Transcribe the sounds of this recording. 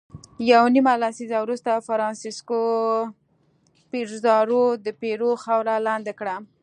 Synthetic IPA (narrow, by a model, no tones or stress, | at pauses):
jawnimalasizawɾust̪afaɾɑnsisko | piɾzɑɾod̪əpeɾoxawɾalɑnd̪akɽa